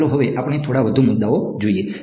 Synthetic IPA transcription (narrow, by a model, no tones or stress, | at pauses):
loɦoʋeʔapəɽ̃et̪ʰoɽabəd̪ʱumʊd̪ːaod͡ʒoie